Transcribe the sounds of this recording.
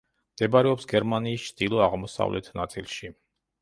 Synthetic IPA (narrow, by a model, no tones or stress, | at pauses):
md̪̥ɛbaɾɛɔpsɡɛɾmaniːst͡ʃʰd̪̥ilˠɔaʁmɔsa̰vlʔɛ̰t̪ʰnat̪sʼḭlˠʃi